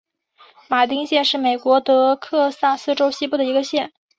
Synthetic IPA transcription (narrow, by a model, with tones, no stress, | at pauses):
ma˨˩t̪i˥ŋɕjɛ˥˧nʂɻ̩˥˩me˨˩ɪkwɔ˧˥t̪ɤ˧˥kʰɤ˥˧sa˥˩sɹ̩˥ʈ͡ʂo˥ʊɕi˥pu˥˩d̪ə˩i˧˥ɡə˧ɕjɛ˥˩n